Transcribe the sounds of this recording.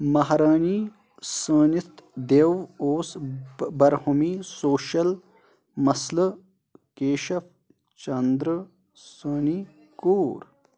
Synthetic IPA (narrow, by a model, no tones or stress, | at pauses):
mɐɦɾaːni | səːnit̪d̪ewoːsbɐɾhumisoːʃɐl | mɐslə | keːʃɐf | t͡ɕɐnd̪ɾ | səːni | kuːɾ